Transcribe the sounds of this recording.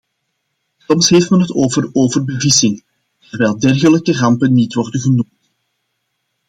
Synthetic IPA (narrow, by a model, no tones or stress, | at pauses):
sɔmsɦeːftmɛnɦətoːvəroːvərbəvɪsɪŋ | tərʋɛːlˠdɛrɣələkərɑmpənːitʋɔrdənɣənumt